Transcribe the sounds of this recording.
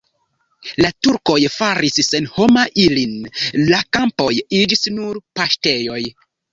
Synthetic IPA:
latuɾko̞jfaɾisːe̞nho̞maʔilinlakampo̞jid͡ʒisnuɾpaʃte̞jo̞j

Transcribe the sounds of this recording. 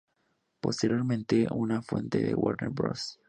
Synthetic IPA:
po̞st̪eɾjo̞ɾmẽnt̪eʔunafwe̞nt̪eðewaɾneɾbɾos

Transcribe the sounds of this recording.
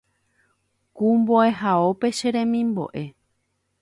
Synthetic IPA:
kumboe̞ɦaope̞ʃeɾẽ̞mĩmbo̞̰ʔe̞

